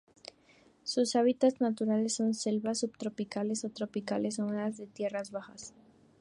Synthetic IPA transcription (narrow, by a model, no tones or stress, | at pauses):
susaβit̪at̪znat̪uɾale̞sːo̞nse̞lβasːuβt̪ɾo̞pikale̞so̞t̪ɾo̞pikale̞soŋeazðe̞t̪je̞razβaxa̰s